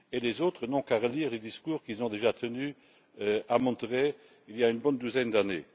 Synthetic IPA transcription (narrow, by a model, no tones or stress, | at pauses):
elezoːt̪χənɔ̃kaʁəliːʁled̪iskuːʁkilzɔ̃d̪eʒat̪ʰəny | øamɔ̃t̪ʁe | iljaynbɔnd̪uzɛnd̪ane